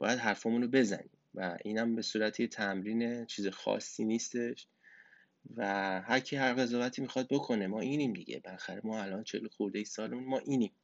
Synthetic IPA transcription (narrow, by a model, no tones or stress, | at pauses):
bɒ̰ːjæd̪ɦæɾfɒmunɾobe̞zæ̰nḭːmvæʔiːnæmbe̞suːɾæt̪ʰit̪ʰæmɾiːne̞t͡ʃʰiːzexɒ̰ːsːiniːst̪e̞ʃ | væhæɾcʰihæɾɣe̞zɒːvæt̪ʰiːmixɒd̪̚bo̞kʰo̞ne̞mɒːʔiːniːmd̪iɟḛbelæxæɾemɒːælʔɒːnt͡ʃʰḛloxuɾd̪ejisɒːlemunmɒːʔiːniːm